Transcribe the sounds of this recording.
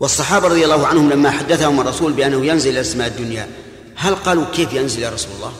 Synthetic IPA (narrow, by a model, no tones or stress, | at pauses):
wsˤːɑħɑːbɑɾˤɑd̪ˤjɑlˤːɑːhʊʕanhʊmlamːaħad̪ːaθahʊmɑrˤːɑsuːlbɪʔanːahʊjænzɪllʔasmaːʔəd̪ːʊnja | halqɑːlukeːfjʊnzɪljaɾˤɑsulɑlˤːɑ̰ːh